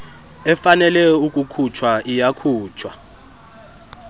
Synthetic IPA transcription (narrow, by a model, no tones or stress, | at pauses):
ɛfanɛlɛjukʼukʰut͡ʃʰwaʔijakʰuːt͡ʃʰwa